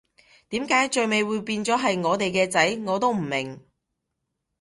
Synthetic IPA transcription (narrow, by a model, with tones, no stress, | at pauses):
t̪iː˨˥mkaː˨˥jt͡ʃɵ˨ɥme˨˧jwuː˨˧jpiː˧nt͡sɔː˨˥ɦɐ˨jŋɔː˨˧t̪e˨jkɛː˧t͡sɐ˨˥jŋɔː˨˧t̪o˥wm̩˨˩mɪ˨˩ŋ